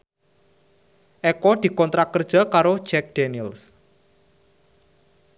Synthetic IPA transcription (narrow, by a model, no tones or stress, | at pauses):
ʔɛkɔd̪̥i̤kɔnt̪ɾakərd̥ʒ̥a̤kaɾod̥d͡ʒ̥ɛk̚d̪̥ɛnils